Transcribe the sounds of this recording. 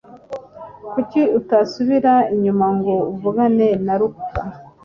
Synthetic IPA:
kuciutasuβiɾaiɲumaŋɡo̞uvuɡane̞naɾuka

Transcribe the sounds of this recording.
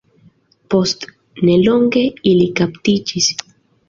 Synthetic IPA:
post̪ | neloŋkeilikapt̪it͡ʃis

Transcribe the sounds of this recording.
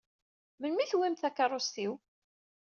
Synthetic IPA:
mənmiθwimθækːarˤost̪iw

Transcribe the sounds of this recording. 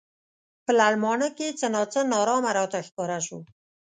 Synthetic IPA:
pəlalmɑnəket͡sənɑt͡sənɑɾɑmaɾat̪axkɑɾaʃu

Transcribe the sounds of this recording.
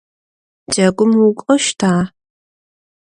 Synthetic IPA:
d͡ʒɐɡʷʊmukʷʼɔʃtʰaː

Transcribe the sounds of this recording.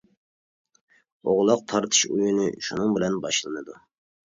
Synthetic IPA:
oʁlˠɑq̚t̪ʰɑɾt̪ʰɨ̥ʃujunɨʃunɨŋbɪlɛnbɑʃlˠɨnɨd̪u

